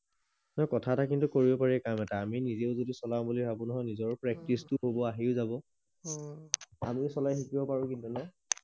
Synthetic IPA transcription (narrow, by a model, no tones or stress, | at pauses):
nɔjkɔtʰatakintukoɹibɔpaɹɛkamɛtaːminizeʊzodisɔlambulibabunɔɦɔjnizɔɹpɹɛk̚tistʊɦobɔaɦiʊzabɔ | a̰misɔlajxikibɔpaɹʊ̃kintunɛ